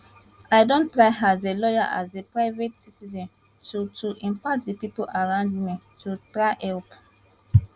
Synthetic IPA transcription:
aɪdõntɹaɪɦadelɔjaʔa̰zdepɹaɪvetsitizɛ̃n | tutuʔĩmpat̚dipipoʔaɹãʊ̃ndmitutɹaɪʔɛlp

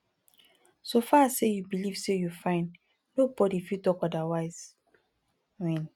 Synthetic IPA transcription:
sofasejubiliv̥sejufãɪ̃n | luk̚bɔdifutɔkɔdawaɪz̥ | ɹĩn

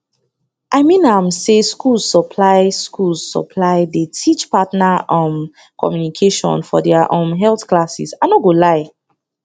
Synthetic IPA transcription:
ʔaɪmĩnãmseskʰulsɔpʰlaɪskʰulz̥sɔ̰pʰlaɪdetʰit͡ʃpatnaʔɔ̃m | kʰɔ̰mjunikʰeʃɔ̰̃nfɔ̰dɛaʔɔ̃mɦɛlˠθklasḭsanoɡolaɪ

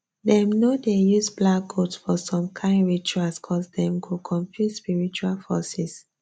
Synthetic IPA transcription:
dɛ̃mnodejusblak̚ɡ̥otsfɔsɔ̃mkʰãɪ̃ndɹit͡ʃualskʰɔsdɛ̃mkukʰɔ̃mpjuspiɹit͡ʃualfɔsɛs

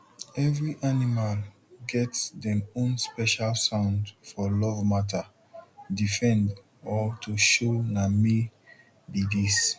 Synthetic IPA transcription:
ɛvɹiʔanimal | ɡɛtsdɛ̃mõnspɛʃalsãʊ̃ndfɔlɔvmatʰa | difɛ̃nd | ɔtʰuʃonami | bidis

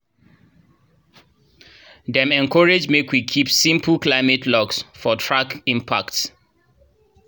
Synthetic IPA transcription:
dɛ̃mɛ̃nkʰɔɹed͡ʒmekwikʰipsĩmpʰl̩klaɪmɛtlɔksfɔtʰɹakĩmpʰa̰kts

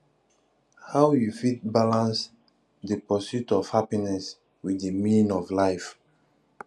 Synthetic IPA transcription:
hawjufid̚balãns | dəpɔsutɔv̥hapinɛs | widəmĩnɔvlaɪf

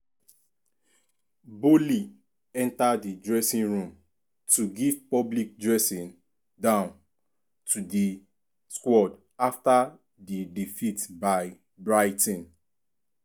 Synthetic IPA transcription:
boli | ɛ̃ntaddidɹɛsĩnɹũm | tuɡiv̥pɔblik̚dɹɛsĩn | dãʊ̃n | tʰudi | skwɔd | afta | didifitbaɪ | bɹaɪtɔ̃n

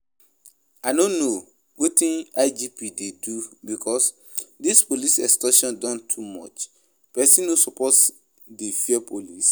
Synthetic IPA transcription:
aɪnõnːo | wetĩnaɪd͡ʒipidedubikʰɔs | dispolisɛkstɔʃɔ̃ndɔ̃ntʰumɔ̰t͡ʃ | pɛsĩnːosɔpɔts | defiɛpʰolis

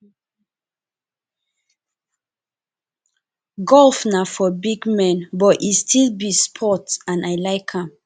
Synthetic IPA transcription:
ɡɔlfnafɔbiɡmɛ̃nbɔtistʰilbispʰɔtãnʔaɪlaɪkʰhãm

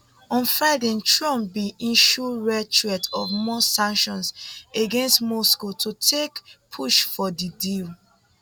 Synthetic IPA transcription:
ɔ̃nfɹadɛ̃ntɹɔ̃mbiĩʃuɹɛt͡ʃuɛtɔvmɔsãŋkʃɔ̃nseɡẽnstmoskotʰutʰekpʰuʃfɔdidil

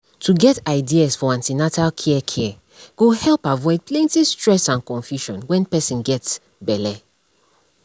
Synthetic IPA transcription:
tʰuɡɛtaɪdiasfɔãntinatalkʰɛkʰɛ | ɡ̥ohɛlpavɔɪplɛ̃ntistɹɛsãnkɔ̃ɱfjuʃɔ̃nwɛ̃npɛsĩnɡɛts | bɛlɛ

